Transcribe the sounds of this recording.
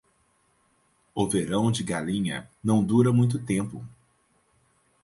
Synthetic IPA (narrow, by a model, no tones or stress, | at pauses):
ʊveɾɐ̃w̃d͡ʒɪɡalĩɲɐ̰nɐ̃w̃d̪uɾɐmũj̃t̪̬ʊt̪ẽmpʊ̰